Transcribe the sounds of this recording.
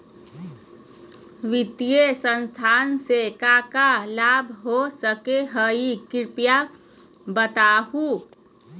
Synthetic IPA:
ʋɪt̪ijesə̃nst̪ʰaːnsekakalaːbʱɦosəkeɦəikɪɾpja | bət̪aːhu

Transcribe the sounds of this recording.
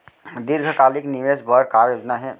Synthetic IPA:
d̪ɪɾɡʱəkaːlɪknɪʋeːsbʱɔɾkaːɾjoːd͡ʒnaɦɛː

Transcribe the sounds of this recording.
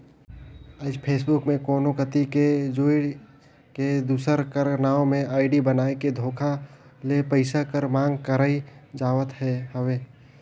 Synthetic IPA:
əd͡ʒpʰeːsbʊkmẽkoːnokət̪iked͡ʒoːɪɽ | ked̪uːsəɾkəɾnaːõmẽaːɪɖibənaːeked̪ʱoːkʰa | lepəɪsakəɾmãːŋɡkəɾaːid͡ʒaːʋət̪ɦɛɦəweː

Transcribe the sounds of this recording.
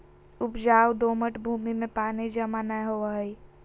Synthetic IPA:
ʊpd͡ʒaːwd̪oːməʈbʱuːmimẽpaːnid͡ʒəmaːnajɦoaɦi

